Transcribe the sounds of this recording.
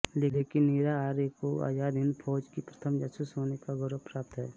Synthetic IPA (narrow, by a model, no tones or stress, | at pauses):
leːleːkɪnːiːɾaaːɾekoa̰ːjaːd̪ɪnpʰɔːd͡ʒkipɾət̪ʰəmd͡ʒəsusɦoːnekaɡʊɾəpɾaːp̚t̪ɦɛː